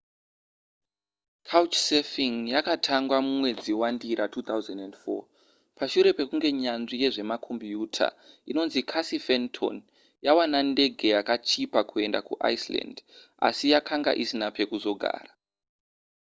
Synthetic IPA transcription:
kʰaut͡ʃsefiŋjakatʰaŋɡwamumwe̞d͡ziwandiɾʔatuːt̪awzandendfo̰ | paʃuɾe̞pe̞kuŋɡe̞ɲanʐije̞ʐe̞makʰo̞mbjuːtʰa̰ | ino̞nzikʰasifentʰo̰n | jawanande̞ɡʱe̞jakat͡ʃipakʰue̞nda̰kṵʔa̰isla̰nd | a̰sijakʰaŋɡa̰ʔisinape̞kuzo̞ɡʱa̰ːra

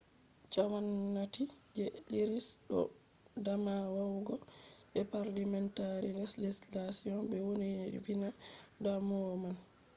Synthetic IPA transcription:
t͡ʃawanːatid͡ʒɛɗiɾisɗɔ̰ | damawawɡɔʔɛpaɾlamɛntaɾilɛslislasiɔnbɛwoninɗḭvinadamɔman

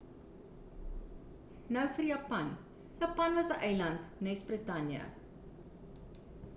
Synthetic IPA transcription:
nœwfərjɐːpɐn | jɑpɐnvɐsəʔɛjlɐntnɛsbrətɐnjə̰

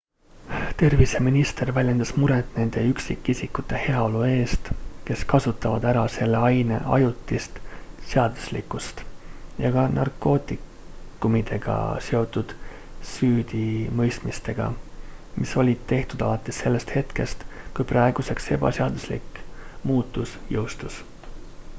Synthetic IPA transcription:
t̪e̞rviseminist̪e̞rvælʲje̞nd̪̥ɑsmuɾet̪ˑne̞nd̪̥e̞yksikːisikːut̪ːˑe̞he̞ɑo̞lue̞ːst̪ke̞skɑsut̪ːˑɑvɑd̪æɾɑse̞lːeɑjne̞̰ʔɑ̰jut̪ːˑist̪se̞ɑd̪̥u̥slḭkːˑust̪jɑɡ̥ɑnʔɑ̰rkːo̞ːt̪ːˑi | kːˑumid̪e̞ɡ̥ɑ̰se̞o̞t̪ːˑud̪̥ | syːd̪̥imɤ̞jst̪mist̪e̞ɡ̥ɑ̰miso̞lʲid̪t̪ːe̞ht̪ud̪̥ɑlɑt̪ːˑesːe̞lːe̞st̪he̞t̪ke̞st̪kujprɑeɡ̥use̞kse̞b̥ɑ̰seɑd̪̥uslḭkmuːt̪ːˑusjɤ̞wst̪us

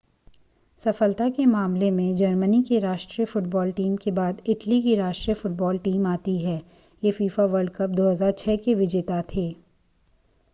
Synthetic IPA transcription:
sɐfəlt̪akemaːmlemẽd͡ʒɐɾmənikeɾaːʃʈɾijəfʊʈ̚bɔːlʈiːmkebaːd̪ɪʈlikiɾaːʃʈɾijəfʊʈ̚bɔːlʈiːmaːt̪iɦɛː | jefiːfaʋəɾɖkɐp̚d̪oːɦəzaːɾt͡ʃʰɛːkeʋɪd͡ʒet̪at̪ʰeː

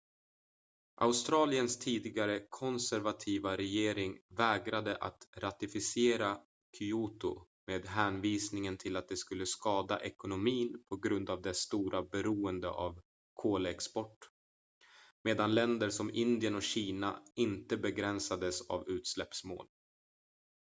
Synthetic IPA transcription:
ʔa̰ʊst̪ɾɑːlɪənst̪ʰiːd̪ɪɡaɾəkʰɔnsæɾvat̪ʰiːvaɾɛjeːɾɪŋvɛːɡɾad̪əʔa̰t̪ɾat̪ɪfɪsɪeːɾa | kʰʏuːt̪ʊ̰ | meːd̪ɦæːnviːsnɪŋənt̪ʰɪlat̪̚d̪ɛskɵlːəskɑːd̪a̰ʔɛkʊnʊmiːnpʰɔɡɾɵnd̪avd̪ɛst̪uːɾʔabɛɾuːənd̪ə̰ʔa̰v | kʰoːləɛkspɔʈː | meːd̪anlɛnd̪əʂɔmɪnd̪ɪənɔkɕiːnaɪnt̪əbɛɡɾɛnsad̪əsa̰vʉ̟ːt̪slɛpsmo̰ːl

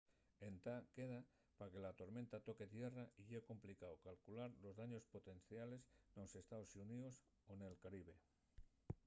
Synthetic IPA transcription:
ent̪ake̞ð̞a | pake̞lat̪o̞ɾment̪at̪o̞ke̞t̪je̞raiʎeko̞mplikaokalkulaɾlo̞zðaɲo̞spo̞t̪e̞nθjale̞snose̞st̪aosunios | one̞lkaɾiβ̞e̞

